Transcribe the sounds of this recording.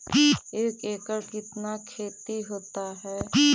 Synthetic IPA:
eːkeːkəɾkɪt̪nakʰeːt̪iɦoːt̪aɦɛː

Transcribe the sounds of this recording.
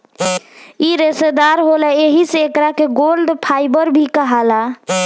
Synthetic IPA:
iɾesed̪aɾɦolɛeɦiseːkɾakeɡolɖpʰajbəɾbʱikəɦala

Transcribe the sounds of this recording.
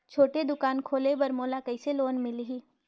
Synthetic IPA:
t͡ʃʰoːʈed̪ʊkaːnkʰoːlebɐɾmoːlakɐiseloːnmɪliɦiː

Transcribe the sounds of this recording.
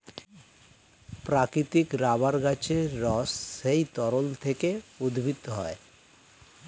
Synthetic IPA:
pɾakɾit̪ikɾabaɾɡat͡ɕeɾɔsːejt̪ɔɾolt̪ʰekeud̪ʱbʱit̪ːoɦɔe

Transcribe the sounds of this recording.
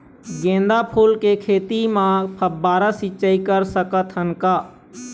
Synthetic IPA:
ɡẽːnd̪apʰuːlkekʰeːt̪imãpʰəbːaːɾasit͡ʃəikəɾsəkət̪ɦənkaː

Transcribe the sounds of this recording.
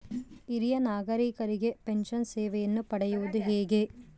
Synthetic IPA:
iɾijɐnaːɡɐɾiːkɐɾiɡe̞penʃɐnsɛːʋɛjɐnːupɐɽɛjuʋud̪uɦɛːɡe̞

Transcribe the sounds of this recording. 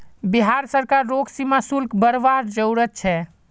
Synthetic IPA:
biɦaɾsəɾkaɾːoɡsimasulkbəɾʋaɾd͡ʒəwɾət̪̚t͡ʃʰɛ

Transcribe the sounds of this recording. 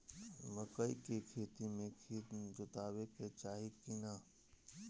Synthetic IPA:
məkəikekʰeːt̪imẽkʰiːt̪d͡ʒʊt̪aːweket͡ʃaːɦikina

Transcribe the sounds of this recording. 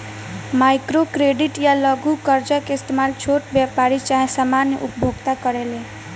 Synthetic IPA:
majkɾokɾeɖiʈjalʌɡukʌɾd͡ʒəkeːst̪emalt͡ʃʰoʈbjapaɾit͡ʃaɦĩsamanjə̰ʔupbʱoɡt̪akʌɾele

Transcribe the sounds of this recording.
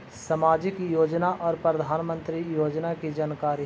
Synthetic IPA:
sɐmaːd͡ʒɪkjoːd͡ʒnaʔɔːɾpɾɐd̪ʱaːnmə̃nt̪ɾijoːd͡ʒnakid͡ʒaːnkaːɾi

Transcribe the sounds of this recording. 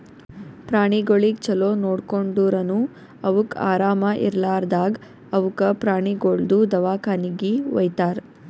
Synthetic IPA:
pɾaːɳiɡoɭikt͡ʃɐloːnoːɽkoɳɖuːɾɐnu | ɐʋuka̰ːɾaːmɐʔḭɾlaːɾd̪aːɡ | ɐʋukɐpɾaːɳiɡoɭd̪ud̪ɐʋaːkaːniɡiʋɐ̰jt̪aːɾ

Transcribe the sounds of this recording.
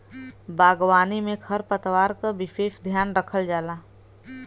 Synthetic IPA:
baːɡwaːnimẽkʰəɾpət̪waːɾkabɪfeːʃd̪ʱjaːnɾəkʰəld͡ʒaːlaː

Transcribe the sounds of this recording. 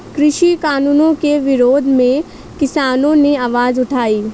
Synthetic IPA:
kɾɪʃikaːnuːnõkeʋɪɾoːd̪ʱmẽ | kɪsaːnõneaːʋaːzʊʈʰaːiː

